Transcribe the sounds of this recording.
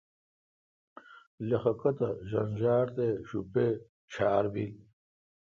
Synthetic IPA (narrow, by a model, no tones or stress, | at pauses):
lexɐkɐt̪ɐʑɐnʑaːɾt̪eɕupe | t͡ɕʰaːɾbil